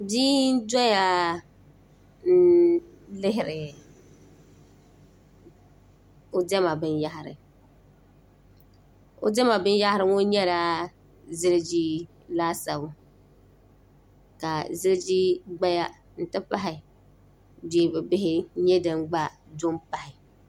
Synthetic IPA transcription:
biː˦n˦dɔ˦ja˦ | n̩˦ | lɪ˦ɦɪ˨ɾɪ˨ | o˦dɛ˦ma˨bɨ˦n˦ja˦ɦɪ˨ɾɪ̰˨ | o̰˦dɛ˦ma˨bɨ˦n˦ja˦hɪ˦ɾɨ˦ŋo˦ɲɛ˦ɾaː˦ | zɪ˦lɪ˦d͡ʒiː˦ | laː˦sa˨βʊ˨ | ka˨zɪ˦lɪ˦d͡ʒiː˦ɡ͡ba˦ja˦ | n̩˨tɨ˦pa˦ɦɪ˨ | de˦bɛ˨bɪ˦ɦɪ˦ɲɛ˦dɨ˨ŋɡ͡ba˦ | do˦mpa˨hɪ˨

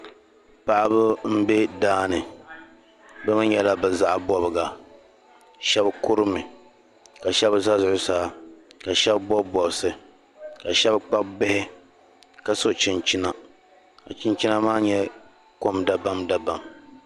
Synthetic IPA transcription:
pa˨ʔa˦bʊ˦m̩˦be˦daː˦nɨ˨ | bɛ˦mɨ˦ɲɲɛ˦la˦bɛ˨za˦ʔa˨bɔ˨bɨ˨ɡa˨ | ʃɛ˦bkʊ˦ɾɨ˦mɨ˨ | ka˨ʃɛ˦bza˦zʊ˨ʔʊ˦sa˨˦ka˨ʃɛ˦bbɔ˦bɔ˨bsɨ˨ | ka˨ʃɛ˦bk͡pa˦b̚bɪ˦hɪ˦ | ka˨so˨t͡ʃɪ˨nt͡ʃi˦na˨ | ka˨t͡ʃɪ˦nt͡ʃi˦na˦maː˦ɲɛ˦ | ko˦mda˦ba˦mda˦ba˨m

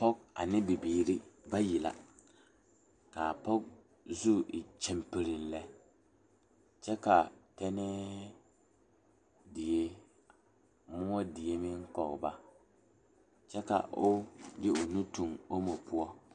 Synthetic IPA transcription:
pɔ˦k̚a̰˨nɪ˦bi˨biː˨ɾi˦ba˦ji˨la̰˨ | ka˨pɔ˦k̚ | zu˦ʔɪ˨t͡ʃɛ˨mpɪ˨ɾɪ˨n̩˦lɛ˦ | t͡ʃɛ˦ka˨tɛ˦nɛ˦ | dɪ˨e˦ | mʊ˦ɔ˦dɪ˨e˦mɪ˦ŋkɔ˨ɣba˦ | t͡ʃɛ˦ka̰˨ʔʊ˦jɪ˦ʊ˨nu˦tu˨ŋo˦mo˨pʰʊ˦ɔ˦

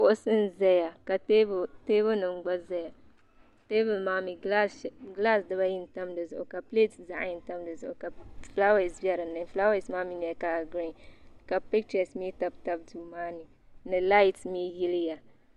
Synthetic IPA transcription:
bʊ˦ʔʊ˦sɨ˦nzɛ˦ja˨ka˨te˦bte˦bʊ˦nɨ˨m˦ɡ͡ba˦zɛ˦ja˨ | te˦bɨ˨lma˨˦mi˨ɡla˦˨ɡla˦˨sdɨ˦βa˦ji˦n˨ta˦mdɨ˨zʊ˨ʔʊ˨ka˨ple˦tsza˨ʔji˦n̩˨ta˦mdɨ˨zʊ˨ʔʊ˨ka˨fla˦wa˨sbjɛ˦ɾɨ˨nːɨ˦fla˦we˨smaː˦mi˦n˨jɛ˨ka˨ɡɾi˦˨ka˨pɪ˦k̚t͡ʃa˨smi˦ta˨b̚ta˦b̚duː˨maː˦ni˨ | nɨ˨la˦jtsmi˦ji˦lɪ˦ja˨

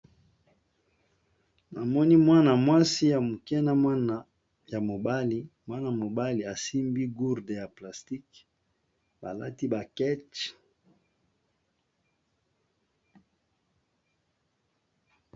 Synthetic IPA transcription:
na˨mɔ˦ni˦mwa˦na˨mwa˦si˦ja˨mu˨kɛ˦na˦mwa˦na˨ | ja˨mo˨ba˦li˦mwa˦na˨mo˨ba˦li˨a˨si˦mbi˦ɡu˦ʁde˨ja˨pla˨sti˦k | ba˨la̰˦ti˦ba˨kɛ˦t͡ʃ

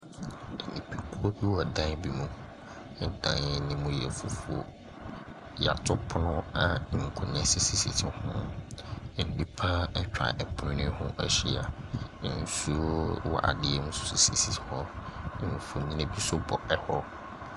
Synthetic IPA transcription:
ɛ˨nḭ̃˨pʰi˦kʰu˦o˦bi˦wɔ˨dã˦bi˨mũ˨˦ | dã̰˨nɛ˨nɪ̃˨mũ˨jɛ̰˨fu˨fu˨o̰˨ | ja̰˨tʰʊ˦pʰʊ˦nʊ̃˦ã˨ŋ̩˨kʰu˨nɛ̃˨si˦si˨sḭ˨tʰɪ˨hʊ̃˦˨ | n̩˨nĩ˦pʰã˦ɛ˦t͡ɕᶣa̰˨ʔɛ˨pʰʊ̃˦nɪ̃˦hʊ̰̃˦ʔɛ̰˦ɕɪ˦a̰˨n̩˨˦su˦wɔ̰˨ʔa̰˨dɪ˦ɛ˦mũ˦sʊ̥˨˦si˨si˨si˨˦hʊ̃˦˨n˨fʊ˨ɲĩ˦ne˨bi˦sʊ˦bɔ˨ɛ˦hɔ˦

